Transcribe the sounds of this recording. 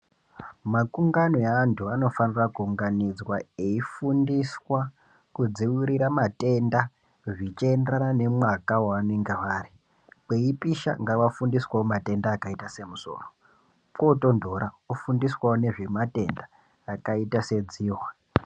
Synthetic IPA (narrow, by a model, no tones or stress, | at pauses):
makuŋɡanoaːntʰuano̞fanirakuuŋɡanid͡zwae̞ifundiswa | kud͡ziwiɾiɾamate̞nda | ʐit͡ʃenderanane̞mwakawaaneŋɡeʋaːri | keipiʃa̰ŋɡaʋafundiswawomate̞ndaːkaitase̞muso̰ːro | koto̞ndo̞ɾa | ufundiswaone̞ʐe̞mate̞ndaː | kaitase̞d͡ziːɦwa